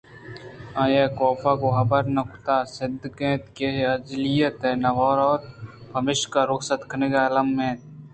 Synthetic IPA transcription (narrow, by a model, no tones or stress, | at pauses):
aːjeːkoːpakoɦɐbəɾnɐkʰʊt̪aːsɪd̪ʱkẽːt̪keɦɐd͡ʒlijət̪eːnɐʋɔːɾɔːɾbʰʱɐmɪʃkaɾʊksət̪kʰneɡalɐmːẽːt̪